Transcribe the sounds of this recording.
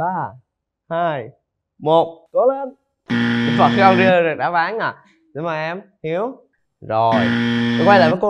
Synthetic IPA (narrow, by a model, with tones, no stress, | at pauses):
ɓaː˧ | haː˧j | mo˨˩t̚ko˨˦le˧n | i˨˧˦va̰˧˨˩fi˧a˧ŋ͡mzi˧˨ɗɨ˨˩k̚ɗa̰ː˧˥ɓaː˨˦ŋaː˧˨˩ | ɗɨ˨˦maː˨˩ʔɛ˧mhi˨˦əw | zo˨˩jɔ˧˩kwa˧jlaː˨˩məː˨˦jko˧